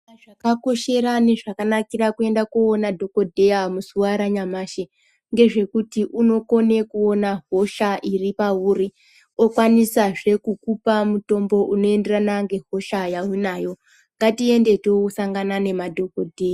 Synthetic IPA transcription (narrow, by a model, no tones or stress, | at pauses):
aʐakako̞ʃe̞ɾane̞ʐakanakiɾakue̞ndakuonadʱo̞ko̞dʱe̞jamusuwaɾaɲamaːʃe | ŋɡe̞ʐe̞kutiʔuno̞ko̞ne̞kuo̞naɦo̞ʃaʔiripauːɾi | okwanisaʐe̞kukupamuto̞mbo̞ʔuno̞e̞nde̞ranaŋɡe̞ɦo̞ʃajaunajo̞ | ŋɡatie̞nde̞tokusaŋɡanane̞madʱokodʱe̞ːja